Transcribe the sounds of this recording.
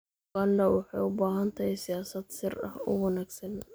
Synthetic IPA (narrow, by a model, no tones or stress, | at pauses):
ɐlːɐwɑħɑjʊbaːɦɐnt̪ʰɐhɛjsɪjaːsɐd̪sɪrɐhʊ̰wɐnæːɡsɐn